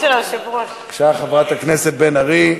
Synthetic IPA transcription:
elaʃivuḁ | ʃaχavʁat̪akne̞set̪̚benaʁi

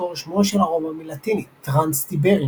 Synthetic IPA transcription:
oʃmoʃelaʁomamilat̪initʁanst̪ibeʁi

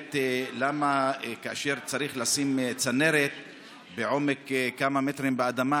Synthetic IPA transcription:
t̪lamakaaʃeʁt͡saɾiχlasimt͡sane̞ɾet̪̚ | beʕo̞mekkːamamet̪ɾimbead̪ama

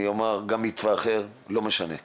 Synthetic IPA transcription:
iomaʁɡamit̪vaːχeʁlo̞meʃane

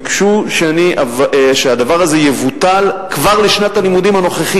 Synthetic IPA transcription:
kʃuʃeaniʔavʃead̪avaʁazejevut̪alkvaʁleʃnat̪alimud̪imano̞χeχi

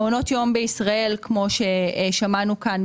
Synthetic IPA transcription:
ono̞tjo̞mbeisʁae̞lkmo̞ʃeʃamanukan

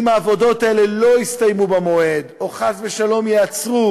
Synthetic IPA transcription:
maːvo̞do̞t̪aelelo̞ist̪ajmubamo̞e̞d̪oχazveʃalo̞mjeat͡sʁu

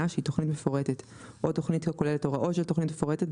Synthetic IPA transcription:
aʃeito̞χnitme̞foʁetet̪ | ʔoto̞χnitkakoleletoʁaʔoʃelto̞χnitmefo̞ʁetet

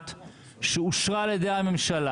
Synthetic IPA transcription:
t̪ | ʃeuʃʁaled̪ejhame̞mʃala

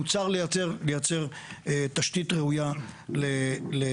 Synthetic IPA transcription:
ut͡saʁlejat͡seʁlejat͡se̞ʁet̪aʃt̪it̪ʁeujalele

